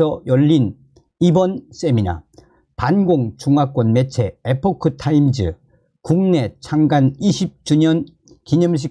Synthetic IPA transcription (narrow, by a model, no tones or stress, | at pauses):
ʌjʌʎːin | ibʌns͈e̞mina̰ | panɡoŋt͡ɕuŋak͈wʌnme̞t͡ɕʰe̞epʰokʰɯtʰaimd͡ʑɯ̰ | kuŋne̞t͡ɕʰaŋɡaniɕʰip̚t͡ɕuɲʌn | kiɲʌmɕ̬ʰi